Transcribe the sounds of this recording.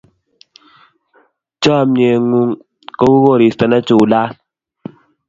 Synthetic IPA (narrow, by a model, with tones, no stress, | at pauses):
t͡ʃɔ˦˨mɲe˨ŋu˦ŋ | ko˦wu˦ɣo˦˨ɾi˨stɛ˨na˦t͡ʃu˨la˦l